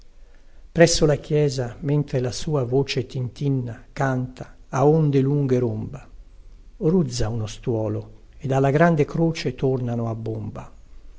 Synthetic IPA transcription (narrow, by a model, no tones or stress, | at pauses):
pɾɛsːolakjɛːzament̪ɾelasuːavoːt͡ʃet̪int̪inːakant̪aːond̪eluŋɡeɾomba | rud̪zːaunost̪wɔːlo | ed̪alːaɡɾand̪ekɾoːt͡ʃet̪ornanoabːomba